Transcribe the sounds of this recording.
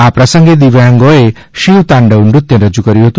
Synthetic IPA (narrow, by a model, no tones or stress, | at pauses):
apɾasʌŋɡed̪iʋaŋɡɔe | ʃiwt̪aɳɖɔuɳɖut̪jɔɾɔd͡ʒukɔɾiɦot̪u